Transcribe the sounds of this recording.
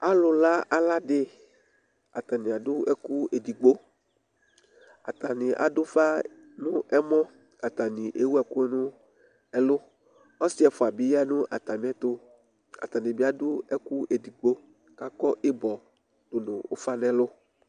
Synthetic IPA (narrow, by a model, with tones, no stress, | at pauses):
a˦lʊ˨la˦a˨la˦ɖɪ˦ | a˨t̪a˨nɪ̃˨a˨dʊ˦ɛ˦ku˦e˨di˨ɡ͡bo˦ | a̰˨t̪a˨nɪ̃˨ʔa̰˨dʊ˦fa˦ | nʊ̃˦ɛ˦mɔ̃˦ | a˨t̪a˨nĩ˨ʔe˨wu˦ɛ˨kʊ˦ɛ˦nũ˦ | ɛ˦lʊ˦ | ɔ˦si˦ɛ˨fɔ˨a˨bi˨˦ja˦nũ˦ʔa̰˨t̪a˨m̃˨˦ɛ˦t̪o˦ | a̰˨t̪a˨nɪ̃˨bɪ˦a˦dʊ˦ɛ˦ku˦ʔe˨di˨ɡ͡bo˦ | ka˦kɔ˦ʔe˦bɔ˨ | d̥o˨nʊ̃˨o̰˦fa˦nɛ̃˦lʊ˦